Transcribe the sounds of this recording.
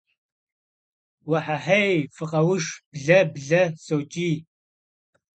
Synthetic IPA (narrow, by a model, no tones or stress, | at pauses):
wɐħaħejfɨqʼɐwʊʂb̥ɮɐbɮɐsowt͡ʃʼiː